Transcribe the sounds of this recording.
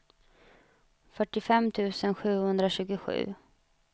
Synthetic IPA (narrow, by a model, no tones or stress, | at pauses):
fœʈːɪfɛmːt̪ʰʉ̟ːsənɧʉ̟ːhɵnd̪ɾaɕʉ̟ːɡʊɧʉ̟̰ː